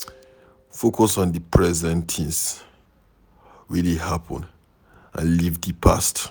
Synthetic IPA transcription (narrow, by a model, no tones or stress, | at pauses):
fokʰɔsɔ̃ndipʰɹɛzɛ̃ntʰĩns | ɹilihapʰɔ̰̃n | ã̰nlivdipʰast